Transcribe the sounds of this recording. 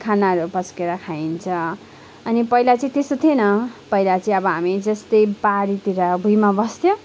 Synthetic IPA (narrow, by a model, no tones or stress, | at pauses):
kʰanaɾupʌskeɾakʰaint͡sʰʌ̃ | ʌnipʌilat͡sʌĩt̪est̪ot̪ʰjenʌpʌilat͡sʌĩʌbʌɦamid͡zʌst̪ʌjbaɾit̪iɾʌbʱujmabʌst̪ʰjo